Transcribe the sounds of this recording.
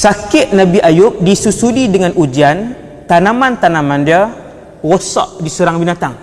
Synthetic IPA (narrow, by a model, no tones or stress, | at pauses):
sakɪʔnabiʔajʊp̚disusudidəŋanʔud͡ʒian | t̪anamant̪anamãndia | wosɔ̰ʔdisuɾaŋbinat̪aŋ